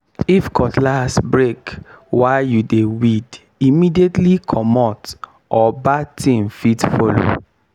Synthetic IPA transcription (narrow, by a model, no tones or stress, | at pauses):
ifkʰɔtlasbɹekwaɪjudewid | imidietlikʰɔmɔt | ʔɔbatʰĩnfitfolo̰